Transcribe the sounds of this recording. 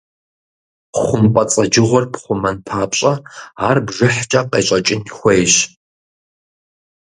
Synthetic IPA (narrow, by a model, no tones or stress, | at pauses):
χʷʊmpʼɐt͡sʼɐd͡ʒɪʁʷɔrpχʷʊmɐnpʰaːpɕʼɐaːrbʒɪħt͡ʃʼɐqeːɕʼɐt͡ʃʼɪnxʷejʑ